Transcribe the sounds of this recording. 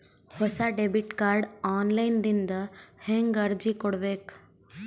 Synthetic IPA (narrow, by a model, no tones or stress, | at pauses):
həsaɖebiʈkaɾɖɔnlajnd̪ind̪əhẽŋɡəɾd͡ʑikoɽʋek